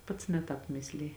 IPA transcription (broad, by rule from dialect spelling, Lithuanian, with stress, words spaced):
ˈpɐts nʲɛ ˈtɑːp ˈmʲɪsʲlʲɪjɪ